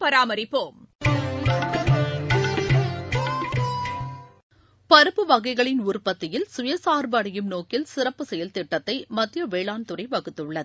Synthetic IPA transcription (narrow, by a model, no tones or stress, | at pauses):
pɐɾaːmɐɾɪpːoːm | pɐɾɯpːɯʋɐɣɐɪɣɐɭɪnʊrpɐt̪ːɪjɪlsʊjɐsaːɾbɐɽɐjɯmnoːkɪlsɪrɐpːɯsɛjɐlt̪ɪʈːɐt̪ːɐɪmɐt̪ːɪjɐʋeːɭaːnt̪ɯrɐɪʋɐɣɯt̪ːɯɭːɐð